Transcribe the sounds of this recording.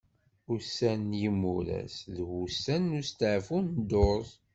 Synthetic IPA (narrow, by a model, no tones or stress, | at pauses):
ʊsænjimːuɾæ̰sðwusænːust̪əʕfund̪oɾˤ